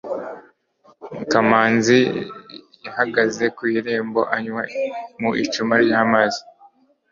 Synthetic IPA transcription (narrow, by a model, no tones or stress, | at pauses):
kamaːnzi | jahaɡaze̞kwiːɾe̞ːmbo̞ʔaɲwamuʔit͡ʃumaɾihamazi